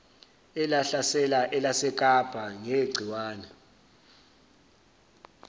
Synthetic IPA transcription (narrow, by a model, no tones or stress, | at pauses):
ɛlaɬasɛlaʔɛlasɛk̬ʼab̥ʱʼaŋeɡ͡ǀʱiwaːnɛ